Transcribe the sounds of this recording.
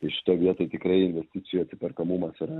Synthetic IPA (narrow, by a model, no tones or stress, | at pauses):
t̪ɐɪʃʲɪ̥t̪oːjʋʲiɛt̪oːɪt̪ʲɪkɾɐɪɪnʲʋʲɛsʲt̪ʲɪt̪sʲɪjuɐt̪sʲɪpʲɛɾkɐmumɐsɪɾɐ